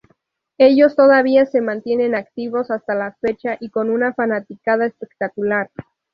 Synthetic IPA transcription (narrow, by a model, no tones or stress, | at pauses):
e̞ʝo̞st̪o̞ðaβ̞iase̞mãnt̪je̞ne̞nakt̪iβo̞sast̪alafe̞t͡ʃaʔiko̞nunafanat̪ikað̞aespe̞k̚t̪akulaɾ